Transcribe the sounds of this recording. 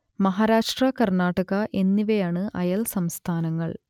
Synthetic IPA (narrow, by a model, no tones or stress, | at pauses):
mɐɦaːɾaːʂʈrɐkɐrnaːʈːɐɣɐʔe̞nːiʋejaːɳɨʔɐ̰jɐlsɐmst̪ʰaːnɐŋːɐ̰ɭ